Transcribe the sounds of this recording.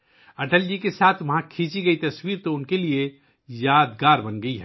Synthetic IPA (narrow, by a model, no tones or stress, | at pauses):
ɐʈəld͡ʒikesaːt̪ʰʋɐɦãkʰĩːt͡ʃiɡɐit̪ɐswiːɾt̪oʊnkelie | jaːd̪ɡaːɾbənɡəiɦɛː